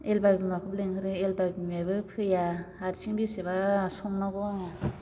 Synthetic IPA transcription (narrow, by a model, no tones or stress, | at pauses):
elbabimakʰɯbleŋhɯɾɯelbabimabɯpʰɯjaaɾsiŋbiseβasɔŋnaɡɔ